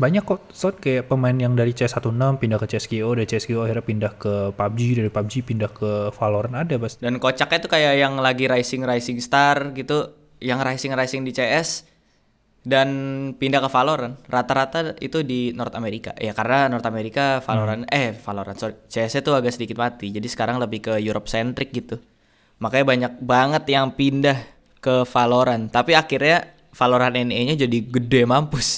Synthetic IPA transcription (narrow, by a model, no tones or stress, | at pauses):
baɲakːɔ | sɔt̪̚kajaʔpəmaɪnjaŋdaɾit͡ʃɛɛsat̪unəmpindahkət͡ʃɛɛskiodaɾit͡ʃɛɛskioahirɲapindahkəpab̚d͡ʒidaɾipab̚d͡ʒipindahkəfaloɾanadabasdankot͡ʃakɲat̪ukajaʔjaŋlaɡiɾajsɪŋrajsɪŋst̪arɡit̪u | jaŋrajsɪŋrajsɪŋdit͡ʃeʔɛs | danpindahkːəfaloɾanrat̪aɾat̪aḭt̪udinɔrt̪ameɾika̰jakaɾənanɔrt̪ameɾikafaloɾanɛhfaloɾansoɾit͡ʃeɛsɲat̪uaɡaʔsədikɪt̪̚mat̪id͡ʒadisə̥kaɾaŋləbɪhkəjuɾʔop̚sɛnt̪ɾɪk̚ɡit̪u | makaɲabaɲak̚baŋət̪jaŋpindah | kəfaloɾant̪apiakɪrɲa | faloɾanɛneɲad͡ʒadiɡədemampʊs